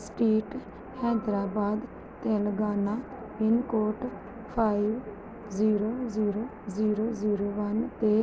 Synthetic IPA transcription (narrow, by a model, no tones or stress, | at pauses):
sʈiːʈ | hɛ̃ːd̪ɾaːbaːd̪ | t̪eːləɡaːnaː | ɪnkoːʈ | pʰaːiʋ | ziːɾoːziːɾoː | ziːɾoːziːɾoːʋənt̪eː